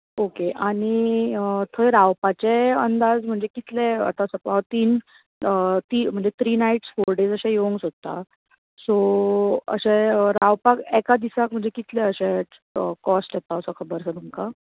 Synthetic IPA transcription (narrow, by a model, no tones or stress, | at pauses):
okeʔaɽ̃iət̪ʰəjɾaʋpat͡ɕeənd̪ad͡zm̤əɳd͡zekit̪lɛə̰t̪asəpat̪iːn | ət̪iːm̤əɳd͡zet̪ʰɾiːnaiʈsfoɾɖed͡zəɕãjoŋɡsot̪t̪ːa̰ | so | ə̰ɕɛɾawpakɛkad̪isak̚m̤əɳd͡zekit̪lɛəɕɛ̃ | əkɔsʈjɛt̪aəsɔkʰəbəɾsət̪umka